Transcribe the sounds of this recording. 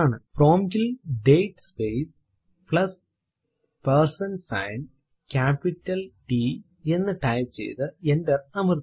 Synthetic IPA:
aːɳɨpɾoːmɡilɖejʈspejs | plɐs | peɾsɐnsɐ̰jn | kʲaːpiʈːɐlʈi | enːɨʈɐjpt͡ɕḛjt̪ɨendɐrɐmɐɾ

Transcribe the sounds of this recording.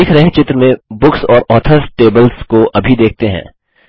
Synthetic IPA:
ɪkʰɾɐɦẽt͡ʃɪt̪ɾəmẽbʊksɔːɾɔːt̪ʰəɾsʈeːbəlskoʔɐbʱid̪eːk̚t̪eɦɛ̰̃ː

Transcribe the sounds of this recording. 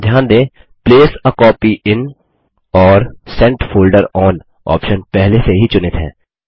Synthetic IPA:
d̪ʱjaːnd̪ẽː | pleːsəkɔːpiʔɪn | ɔːɾsɛ̃ɳʈfoːlɖəɾɔːn | ɔ̰ːpʃənpɛɦleseɦit͡ʃʊnɪt̪ɦɛ̰̃ː

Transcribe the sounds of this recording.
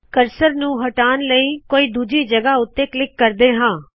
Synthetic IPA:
kəɾsəɾnũːɦəʈaːnləiːkoːiːd̪uːd͡ʒiːd͡ʒəɡaːʊt̪ːeːklɪkːəɾd̪eːɦãː

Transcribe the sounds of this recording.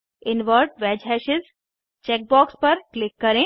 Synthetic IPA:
ɪnʋəɾʈʋɛːd͡ʒɦɛːʃɪz | t͡ʃek̚bɔːkspɐɾklɪkːɐɾẽ

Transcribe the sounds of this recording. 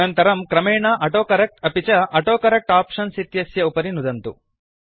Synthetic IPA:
ɐnt̪ɐɾɐmkɾɐmeːɳaːʔɐʈoːkɐɾɐk̚ʈɐpit͡ʃɐʔɐʈoːkɐɾɐk̚ʈaːpʂɐnsit̪jɐsjɐupɐɾinud̪ɐnt̪u

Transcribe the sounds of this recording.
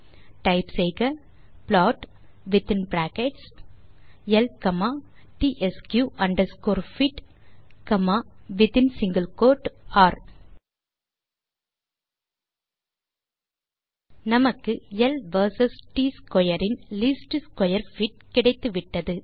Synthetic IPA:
ʈɐɪpsɛɪɣɐ | plaːʈ | ʋɪt̪ɪnbɾaːkɛʈs | ɛlkɐmaːʈiːʔɛskjuːʔɐɳɖɐɾskoːɾfiʈkɐmaːʋɪt̪ɪnsɪŋɡɐlkoːʈaːɾ | nɐmɐkːɯɛlʋɐɾsɐsʈiːskɔjɐɾɪnliːsʈɯskɔjɐɾfɪʈ̚kɪɽɐɪt̪ːɯʋɪʈːɐðɯ

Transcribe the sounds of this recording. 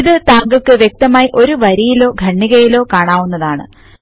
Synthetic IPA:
iðɨt̪aːŋɡɐkːɨʋjek̚t̪ɐmaːjiʔo̞ɾuʋɐɾijilo̞ːɡʱɐɳːiɣɐjilo̞ːkaːɳaːʋunːɐðaːɳɨ

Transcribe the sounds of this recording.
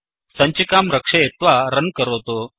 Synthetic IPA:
sɐ̃ɲt͡ɕekamɾəkʂɐet̪ʋaɾənkəɾot̪o

